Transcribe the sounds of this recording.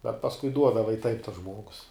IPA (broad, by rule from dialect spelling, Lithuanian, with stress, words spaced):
bʲɛt pɐsˈkʊɪ ˈduɔdɐʋɐ ɪ tɐɪp tɐs ˈʒmuɔɡʊs